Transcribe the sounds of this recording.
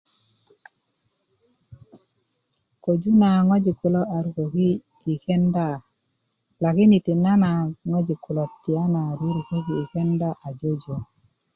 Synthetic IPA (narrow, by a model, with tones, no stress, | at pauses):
ko˨d͡ʒu˦na˨ŋɔ˦d͡ʒɪ˨kʊ˨lɔ˦ʔa˨ɾu˨ko˨ki˦ | i˨kɛ˦nda˦˨ | la˨kɪ˦ni˨tɪ˨na˦na˨ŋɔ˦d͡ʒɪ˨kʊ˨lɔ˨tːɪ˨a˦na˨ɾi˦ɾi˨ko˦kiː˨kɛ˦nda˦ʔa˨d͡ʒo˦d͡ʒo˨